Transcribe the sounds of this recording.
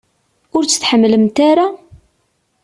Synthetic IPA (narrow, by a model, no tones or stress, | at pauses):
ʊɾt͡sːə̥θħəmːləmt̪aɾa